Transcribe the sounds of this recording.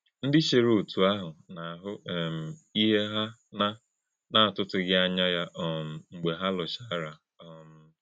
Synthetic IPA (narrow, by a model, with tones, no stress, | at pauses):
n̩˦dɪ˦ʃe˨ɾu˨u˨tu˨a˦ɦʊ˨na˨ɦʊ˦ɛ˨m̩˨i˦ɦe˦ɦa˦na˦ | na˦˨tʊ˦tʊ˨˦ɡɪ˦a˦ɲa˦ja˦ʔɔ˨m̩˨ŋ͡m̩˨ɡ͡be˨ɦa˦lʊ˨t͡ʃa˦ɾa˨ | ɔ˨m̩˨